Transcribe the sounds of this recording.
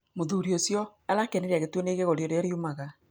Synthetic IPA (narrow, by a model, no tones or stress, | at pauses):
moðuɾiosjɔalakɛneɾaɣetweneɣeɣoɾjoɾeaɾiomaɣa